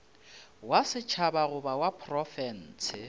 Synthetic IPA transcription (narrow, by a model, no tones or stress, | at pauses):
wasɪt͡ʃʰabaɣʊbawapʰrɔfɛn̩ːt͡sʰɪ